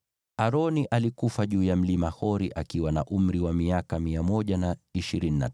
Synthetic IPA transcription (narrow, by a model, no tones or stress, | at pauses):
aɾɔniʔalikufaʄuːjam̩limahɔɾiʔakiwanaʔum̩ɾiwamiakamiamɔʄanaiʃiɾinina̰